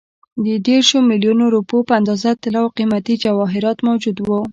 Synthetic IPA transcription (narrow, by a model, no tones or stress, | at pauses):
d̪əd̪eɾʃomɪljunoɾupopəand̪ɑzat̪ɪlɑwqimat̪id͡ʒawɑɦɪɾɑt̪mawd͡ʒud̪wo